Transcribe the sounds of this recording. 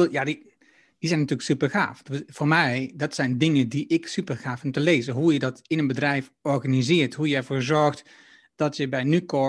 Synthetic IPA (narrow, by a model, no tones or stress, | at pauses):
jadi | dizɛjnatyːlksypərxa̰ːftfoːɹmɛjdɔtsɛjndɪŋədiʔɪksypərxaːfʊmtəleːzəɦujədɔtɪnənbədrɛjfɔɹɣanizɪːɹtɦujəɛɹvoːɹzɔɹxt | d̥ɔtjəbɛjnykɔ